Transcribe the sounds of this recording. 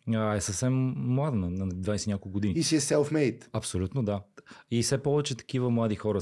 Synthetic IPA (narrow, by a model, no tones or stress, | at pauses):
əɛsəfsɛmːlˠad̪ənɐnɐd̪vajsɛnʲakolˠkɡod̪iniiʃiɛsɛlˠfmɛjt̪ɐpsolʲut̪nod̪aifsɛpɔvɛt͡ʃɛt̪ɐ̥k̟ivəmlˠad̪ixɔɾə